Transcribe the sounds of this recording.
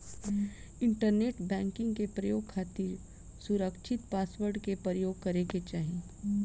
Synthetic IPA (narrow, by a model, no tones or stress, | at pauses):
ɪ̃ɳʈəɾneːʈbɛ̃ːŋkɪ̃ŋɡkepɾɐjoːɡ̚kʰaːt̪iɾ | sʊɾəkʃʰɪt̪paːswəɾɖkepəjoːɡkɐɾeket͡ʃaːɦẽ